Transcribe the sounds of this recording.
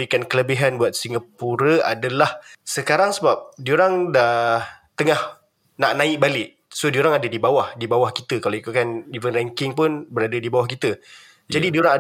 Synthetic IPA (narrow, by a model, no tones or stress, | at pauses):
ɾikankələbiɦanbuat̪̚siŋɡapuɾəa̰dalahsəkaɾaŋsəbap̚dioɾaŋdahht̪əŋah | naʔnãɪʔ̚balɪʔ | sodioɾaŋadədibawahdibawahki̥t̪əkalaikukanivənraŋkɪŋp̬ʊnbəɾadədibawahkit̪ə | jd͡ʒadidioɾaŋa